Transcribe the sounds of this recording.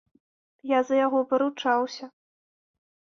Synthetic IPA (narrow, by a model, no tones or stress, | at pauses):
jazɐjaɣɔpɐɾut͡ʂawsʲɐ